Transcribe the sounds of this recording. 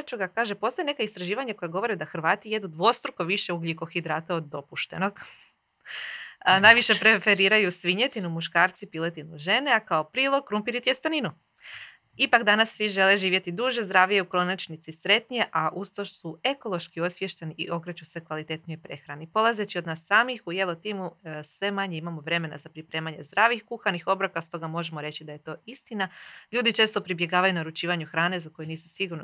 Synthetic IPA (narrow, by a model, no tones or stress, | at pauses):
t͡ʃuɡakaːʒepo̞sajenekaist̪ɾaʒiːʋaɲako̞jeɡo̞ʋo̞ɾid̪axɾ̩ʋaːt̪ije̞d̪ud̪ʋo̞st̪ɾukoʋiʃe̞uɡliko̞xid̪ɾaːt̪aod̪ːo̞puʃt̪e̞no̞ɡ | najʋiʃe̞pɾe̞fe̞ɾiːɾajusʋiɲet̪inumuʃkaːɾt̪sipilet̪inuʒe̞neakaopɾiːlˠo̞ɡ̚kɾumpiɾit̪ijest̪aninu | ipakd̪anasːʋiʒe̞le̞ʒiːʋje̞t̪id̪uʒezd̪ɾaːʋijeukɾo̞nit͡ʃnit̪sisɾe̞t̪nije̞ʔaʔust̪oʃsue̞ko̞lˠo̞ʃkio̞sʋje̞ʃt̪eniʔiʔo̞kɾet͡ɕuse̞kʋalit̪e̞t̪niojpɾe̞xɾanipo̞lˠaze̞t͡ɕio̞d̪naːsːaːmixujelo̞t̪iːmusʋe̞maɲeimamo̞ʋɾe̞me̞na̰zapɾipɾe̞ːmaɲe̞zd̪ɾaːʋixkuxanixo̞bɾakast̪o̞ɡamo̞ʒe̞moɾe̞t͡ɕid̪aje̞t̪o̞ːist̪inaʎuːd̪it͡ʃe̞ːst̪o̞pɾibje̞ɡaːʋajunaɾut͡ʃiːʋaɲuxɾaːne̞zako̞jeniːsu̥siɡuɾn